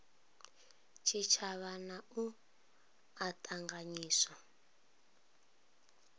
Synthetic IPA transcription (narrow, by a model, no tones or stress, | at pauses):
t͡ʃʰit͡ʃʰaβanau | atʰʼaŋɡaɲiːsa